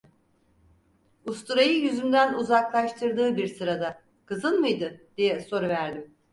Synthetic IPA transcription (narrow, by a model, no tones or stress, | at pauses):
ust̪ʰuɾajɯjyzymd̪ænuzaklˠaʃt̪ʰɯɾd̪ɯːbiɾsɯɾad̪a | kʰɯzɯnmɯjd̪ɯd̪̥ijɛso̞ɾuvæɾd̪im